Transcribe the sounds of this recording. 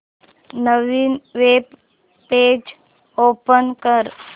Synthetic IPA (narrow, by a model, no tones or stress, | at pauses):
nəʋinʋeb | peːd͡ʒ | oːpənkəɾ